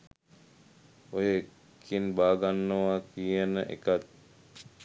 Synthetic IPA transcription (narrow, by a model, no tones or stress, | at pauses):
ojəekʰː | inbaːɡanːəʋakijənəʔḛkat̪̚